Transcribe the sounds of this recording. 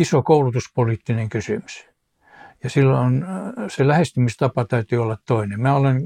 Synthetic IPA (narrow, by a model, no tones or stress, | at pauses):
isokoulut̪uspoliːt̪ːineŋkysymy̥s | jɑsilːonselæhest̪ymist̪ɑpɑt̪æyt̪yːolːɑt̪t̪oinemmæːolen